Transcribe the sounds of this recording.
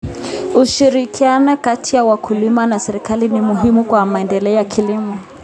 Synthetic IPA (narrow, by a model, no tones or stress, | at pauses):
uʃiɾikʰianɔkatʰijawakʰulimanasɛɾikalinimuɦimukwamaɛndɛlɛɔjakʰilimɔ